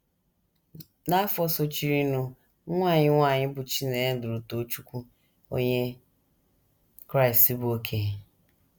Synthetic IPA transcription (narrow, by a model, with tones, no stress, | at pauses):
na˦fɔ˦so˦t͡ʃi˦ɾi˦nu˦ | ŋʷa˦˨ɲɪ˦ŋʷa˦˨ɲɪ˦bʊ˨t͡ʃi˦ne˨˦dʊ˨ɾu˨to˨˦t͡ʃu˦kʷu˦ | o̰˦ɲe˦ | kɾa˦ɪ˨si˦bʊ˨o˦kʰe˦˨